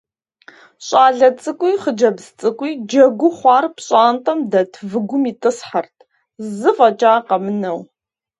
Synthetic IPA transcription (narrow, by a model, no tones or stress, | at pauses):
ɕʼaːɮɐt͡sʼɨkʷʼijχəd͡ʒɐbzt͡sʼɨkʷʼiːd͡ʒɐɡʷʊχʷɑːrpʰɕʼaːntʼɐmdɐtʰvɨɡʷʊmiːtʼɨsħartʰ | zɨfɐt͡ʃʼaːqɐmɨnɐw